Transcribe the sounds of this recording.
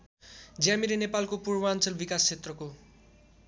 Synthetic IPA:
d͡zjamiɾinepalkopurbʌant͡sʌlbikast͡sʰet̪rʌko

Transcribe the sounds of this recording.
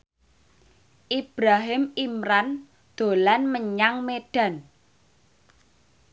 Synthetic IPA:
ʔib̥ɾaɦɪmimɾan | d̪̥o̤lanməɲaŋmeɖ̥ä̤n

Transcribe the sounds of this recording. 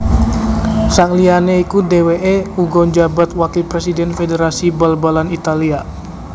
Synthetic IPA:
saŋlianeikudeweʔeuɡɔɲd͡ʒabat̪̚wakilpɾesidɛnfedeɾasibalbalanit̪alia

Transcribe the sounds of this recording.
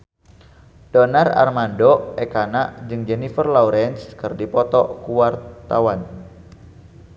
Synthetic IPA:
dɔnara̰rmandɔɛkanaʔd͡ʒɨŋd͡ʒɛnifərlɔuɾɛnskɨrdipɔt̪ɔkuwart̪awan

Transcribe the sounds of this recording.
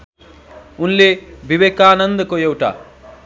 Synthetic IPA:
unlebʱiʋeːkaːnɐnd̪ɐkojewʈa̰ː

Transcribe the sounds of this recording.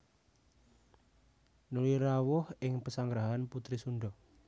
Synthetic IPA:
nuliɾawʊhɪŋpəsaŋɡɾaɦanput̪ɾisuɳɖɔ

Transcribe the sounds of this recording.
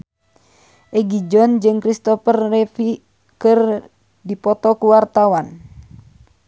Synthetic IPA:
ʔɛɡid͡ʒɔnd͡ʒɨŋkɾist̪ɔfərrɛfi | kɨr | dipɔt̪ɔkuwart̪awan

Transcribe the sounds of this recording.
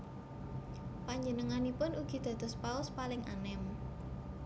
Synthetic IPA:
paɲd͡ʒənəŋanipʊnuɡ̥i̤d̪̥ä̤d̪̥ɔ̤spaʊspalɪŋa̰nɛm

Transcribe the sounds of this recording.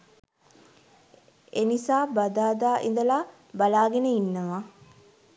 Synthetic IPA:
enisaːbad̪aːd̪aːʔḭnd̪əlaː | balaːɡenəinːəʋa

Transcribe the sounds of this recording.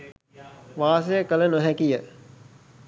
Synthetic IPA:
ʋaːsejəkələnoɦækijə

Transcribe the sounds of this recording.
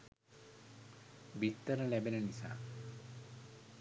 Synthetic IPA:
bit̪ːɐɾɐlɛbenɐnisa̰ː

